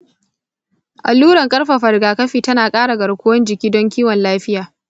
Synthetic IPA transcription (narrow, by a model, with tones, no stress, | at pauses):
ʔa˨lːuː˦ɽɐ˨ŋkʼɐ˦ɽɸa˨ɸɐ˨ɽɡaː˨kɐ˦ɸiː˨tɐ˦naː˨kʼaː˦ɽa˨ɡɐ˨ɽkʷʊ˦wɐ˦nd͡ʒɪ˨kʲiː˦dɔ˦ŋkʲiː˦wɔ˨nlaː˦ɸɪ˦jaː˨